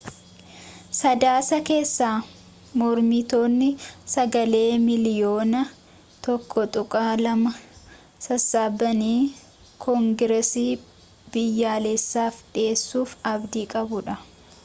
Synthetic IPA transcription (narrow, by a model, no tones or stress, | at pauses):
sɐd̪aːsɐke̞ːsːaː | mɔɾmɪt̪o̞ːnːɪsɐɡɐle̞ːmɪlɪjo̞ːnɐ | t̪ɔkʰːɔt̪ʼʊkʼaːlɐmɐ | sɐsːaːbːɐniː | kʰɔŋɡɪɾɛsiː | b̥ɪjːaːlesːaːfᶑe̞ːsːuːfɐbd̪iːkʼɐbʊᶑɐ